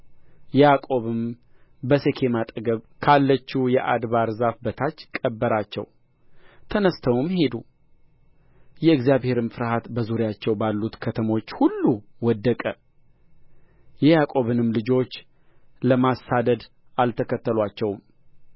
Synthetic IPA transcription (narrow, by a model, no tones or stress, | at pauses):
jɛjakʼo̞βɨm | bəse̞kʰe̞mat̪ʼəɡəβ | kʰalːət͡ʃːujɛʔa̰d̪βaɾzafbət̪ʰat͡ʃːkʼəbːəɾat͡ʃːɛ̰w | t̪ʰənəst̪ʰəwɨmhe̞d̪u | jɛɨɡzjaβhe̞ɾɨmfɨɾhat̪bəzuɾɪjat͡ʃːɛwbalːut̪kʰət̪ʰəmo̞t͡ʃːhulːuwɔd̪ːəkʼə | jɛjakʼo̞βɨnɨmlɨd͡ʒo̞t͡ʃː | ləmasːad̪əd̪ | alt̪ʰəkʰət̪ːəlwat͡ʃːɛwm